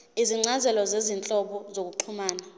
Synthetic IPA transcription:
iziŋ͡ǀazɛlɔzezint͡ɬʼɔɓɔzok̬uǃʰumaːna

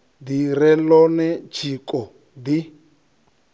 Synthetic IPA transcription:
d̪iɾɛlɔnɛt͡ʃʰikʼɔ | d̪i

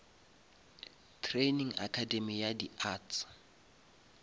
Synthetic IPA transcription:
tʰreniŋa̰kʰademijadiaːtʰ

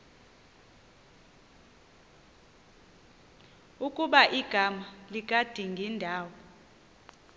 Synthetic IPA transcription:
ukʼuɓaʔiɡ̥ʱamalik̬ʼad̥ʱiŋɡʱindʱaːwɔ

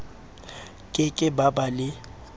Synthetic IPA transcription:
kʼɪkʼɪbabalɪ

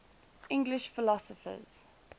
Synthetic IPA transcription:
ɪ̃ŋɡlɪʃfɪlɔsəfə̰z̥

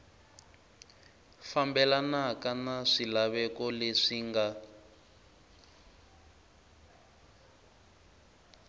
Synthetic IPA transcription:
fambɛlanakanaʂilaβɛkɔleʂiŋɡa

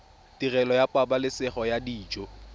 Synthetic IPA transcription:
tirɛlɔjapʼabalɪsɪχɔjadiːd͡ʒo

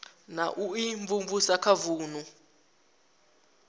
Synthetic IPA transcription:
na̰ʔuiɱvumvusakʰavuːnu

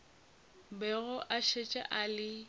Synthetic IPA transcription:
bɛɣʊʔaʃet͡ʃʼa̰ʔalɪ

